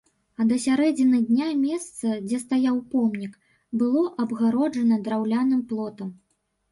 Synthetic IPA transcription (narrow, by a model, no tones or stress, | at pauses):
ɐd̪ɐsʲaɾɛd͡zʲinɨd̪ʲnʲamʲɛst̪sɐd͡zʲɛst̪ajawpɔmnʲik | bɨlˠɔʔɐbɣaɾɔd͡ʐɐnɐd̪ɾawlʲanɨmplˠɔt̪ɐm